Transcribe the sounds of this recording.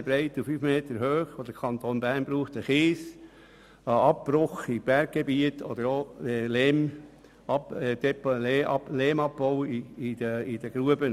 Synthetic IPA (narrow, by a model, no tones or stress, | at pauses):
bɾɛɪt̪ufyːfmeːtəɾhøːχʋod̥̪əkʰɑnt̪onbæɾnbɾuːχt̪əχɪːs | ɑpːɾʊχib̥ɛɾɡ̚ɡ̥ebiətʰɔ̰d̪əɾoleːm | ɑd̪ɛpleɑleːmɑp̚bɔʊəid̥əɡ̥ɾuəbə